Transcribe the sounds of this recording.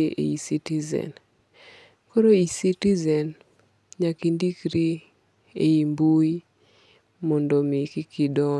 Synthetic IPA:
ʔḛisitizɛ̰n | koɾoisitizɛn | ɲakindikɾi | eimbui | mɔndomikikidɔ

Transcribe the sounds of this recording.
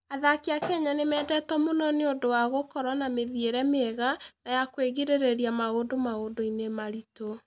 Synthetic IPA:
aðakeakɛɲanemɛːdɛtɔmonɔneondowaɣokɔɾwanameðieɾɛmeɛɣanajakweɣiɾeɾeɾiamaodomaodoinemaɾito

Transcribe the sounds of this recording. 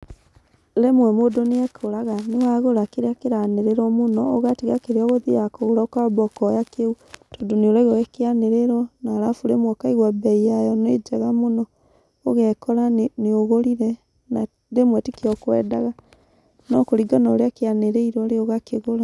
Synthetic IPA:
ɾemwɛmodoneɛkʰoɾaɣanewaɣoɾakeɾeakeɾaneɾeɾɔmonɔɔɣatiɣakeɾeɔɣoðijakoɣoɾakabɔkɔjakeu | tɔdoneoɾaiɣɔɣɛkeaneɾeɾɔnaɾafuɾemwɔkaiɣwabɛiajɔned͡ʒaɣamonɔː | ɣɛkɔɾaneoɣoɾiɾɛ | na | ɾemwɛtikeɔkwɛ̰ːdaɣa | nɔkoɾiɡanɔɾeakeaneɾeiɾɔɾeoɣakeɣoɾa

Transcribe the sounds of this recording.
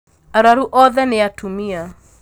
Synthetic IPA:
aɾaɾuʔɔðɛneatumia

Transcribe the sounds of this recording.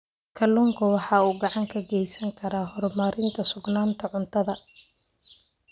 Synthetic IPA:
kʰɐlːɔːŋkʰʊwɑħɑːuːɡɑʕɑŋkʰɐɡɛjsɐŋkʰɐɾaːɦɔrmɐɾɪnt̪ʰɐsʊɡnaːnt̪ʰɐʕʊnt̪ʰɐðɐ

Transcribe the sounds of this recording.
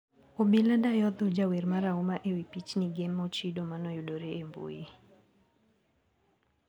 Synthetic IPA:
obiladajɔd̪ɔd͡ʒaweɾmaɾaumaʔewipit͡ʃniɡemːɔt͡ʃidomanɔjudoɾeembṵjḭ

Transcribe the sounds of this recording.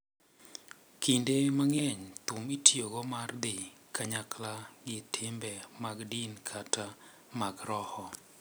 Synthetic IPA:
kʰindemaŋɛɲt̪ʊmitjoɡɔmard̪ɪkʰaɲaklaɡɪtʰɪmbɛmaɡdinkʰatʰa | maɡɾɔhɔ

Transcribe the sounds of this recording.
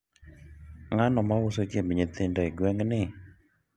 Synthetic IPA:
ŋanɔmawʊsot͡ʃemɲet̪indoiɡwɛŋnɪ

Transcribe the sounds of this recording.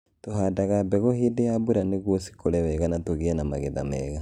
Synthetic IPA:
tohadaɣabɛɣohidejabuɾaneɣwosi̥koɾɛwɛɣanatoɣeɛnamaɣeða̰mɛ̰ɣa

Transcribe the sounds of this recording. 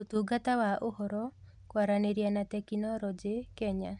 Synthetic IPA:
ut̪uɡat̪awaʔohɔɾɔ | kwaɾaneɾjanat̪ɛkinɔɾɔd͡ʒekɛɲa

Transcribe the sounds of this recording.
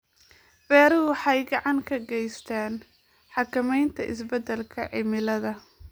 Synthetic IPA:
b̥ɛːɾʊwħɑjɡɑʕɑŋkʰɐɡɛjst̪ʰaːn | ħɑkʰɐmɛjnt̪ʰɐʔɪ̰sbɐd̪ɛlkʰɐʕɪmɪlɐðɐ

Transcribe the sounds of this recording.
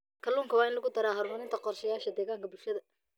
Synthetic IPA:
kʰɐluːŋkʰɐwɑːɪnlɐɣʊd̪ɐɾaːɦɐɾmɐnɪnt̪ʰɐqɔrʃɐjaːʃɐd̪ɛːɣaːŋkʰɐbʊlʃɐðɐ

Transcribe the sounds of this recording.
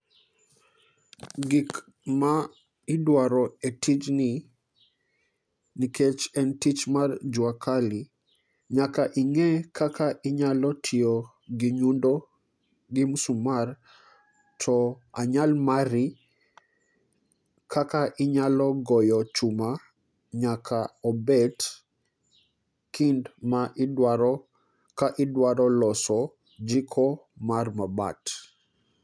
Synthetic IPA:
ɡik | ma | ɪdwaɾɔetʰid͡ʒnɪ | niket͡ʃɛntit͡ʃmard͡ʒwakʰali | ɲakaʔɪŋɛkʰakʰaʔɪɲalɔtʰɪɔ | ɡɪɲundo | ɡɪmsumar | tʰɔ | aɲalmaɾi | kʰakaʔɪɲalɔɡɔjɔt͡ʃuma | ɲakʰaɔbɛt | kindmaʔɪdwaɾɔ | kaʔɪdwaɾɔlɔsɔ | d͡ʒikʰɔmarmaba̰t

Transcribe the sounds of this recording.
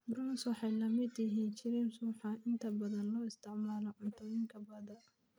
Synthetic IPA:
bɾɔːnswɑħɑjlɐmɪd̪jɪɦiːnt͡ʃɪɾimsuːħɑɪnt̪ʰɐbɐðɐnlɔːɪst̪ʰɪʕmaːlɔʕʊnt̪ʰʊβɪŋkʰɐbɐðɐ

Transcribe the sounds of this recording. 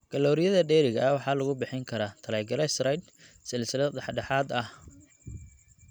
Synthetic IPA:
ɡ̥ɐlɔːɾɪjɐðɐɖɛːɾɪɣɐɐwɑħɑːlɐɣʊbɪħɪŋkʰɐɾaːt̪ʰɐlɐːɡɐɾɛsɾɐjd̪ | sɛlsɪlɛd̪ɑħɖɑħɑːd̪ɐh

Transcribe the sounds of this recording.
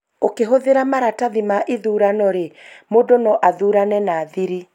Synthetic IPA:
okeɦoðeɾamaɾataðimaʔiðuːɾanɔɾemodonɔʔaðuːɾanɛnaːðiɾi

